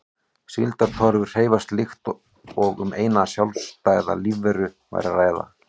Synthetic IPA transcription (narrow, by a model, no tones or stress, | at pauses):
silt̪aɾt̪ʰɔɾvʏr̥r̥eːjvast̪lɪxt̪ | ɔɣʏ̰meːjnasjawlst̪aːjða̰livɛɾʏ | va̰jɾaraːjða̰